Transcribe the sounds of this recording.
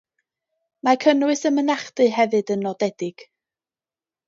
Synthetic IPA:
makʰənwɨsəmənaχtɨɦɛvɨdənɔdɛdɪɡ̥

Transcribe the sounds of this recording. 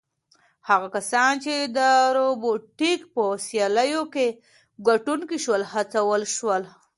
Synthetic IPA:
haɣakasɑnt͡ʃed̪əɾoboʈikpəsjɑləjoke | ɡaʈunkiʃwəlhat͡sawəlʃwəl

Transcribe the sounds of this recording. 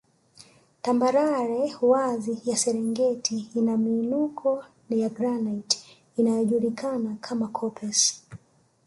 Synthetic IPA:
tambaɾaɾɛwazijasɛɾɛŋɡɛtʰiinamːnukʰɔ | najabɾanait | inajɔʄulikʰanakʰamakʰɔpʰɛs

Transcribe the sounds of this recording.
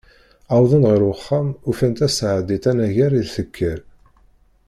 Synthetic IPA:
awðˤənʁəɾwəχːamufænt̪æsʕəd̪it̪ænæʝæɾiðθəkʰːəɾ

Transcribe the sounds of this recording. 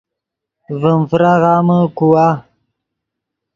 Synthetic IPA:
vəmfɾaɣaːməkuwa

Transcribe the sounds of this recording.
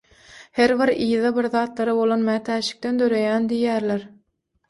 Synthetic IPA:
heɾviɾiːðɑbiɾðɑːt̪lˠɑɾɑβo̞lˠonmæːt̪ʰæːʃi̥k̚t̪end̪øɾejæːnd̪ijæːɾleɾ

